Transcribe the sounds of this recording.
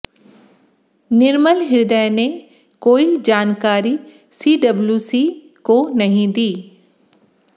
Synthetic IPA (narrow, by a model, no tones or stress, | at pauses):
nɪɾməlɦɪɾd̪əjne | koːid͡ʒaːnkaːɾi | siːɖɐbljuːsi | konɐɦĩd̪iː